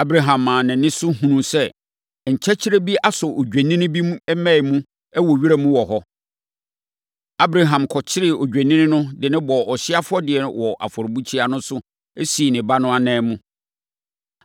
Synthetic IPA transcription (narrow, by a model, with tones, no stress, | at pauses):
a˦bɾa˨ɦã˨mːãː˨nɪ̃˨nɪ̃˦sʊ˦ɦũ˨nũ˦sɛ˦˨ | ɲ̩˨t͡ɕʰɛ˦t͡ɕʰi˦ɾe˦bi˦a˦sɔ˨ʔo˨ɟᶣæ˨nĩ˦ñ˦bi˦m˦ɛ˦mɛ̃˦ɪ˨mũ˦ | ɛ˦wɔ˨ɥi˦ɾa˦mũ˦wɔ˨ɦɔ˦ | a˦bɾa˨ɦã˨mkʰɔ˨t͡ɕʰɪ˦ɾɪ˦˨o˨d͡ʑᶣæ˨nĩ˦nɪ̃˦nʊ̃˦dɪ˨nɪ̃˦bɔ˨ɔ˨ɕɪ˦a˦fʊ˦ɔ˦dɪ˨ɛ˨ñ̰˨wɔ˨ʔa̰˨fɔ˨ɾbu˦t͡ɕʰi˦a˦nʊ̃˦sʊ˦ | e˦siː˨nɪ̃˨ba˦nʊ̃˦a˨nɛ̃ː˦mũ˦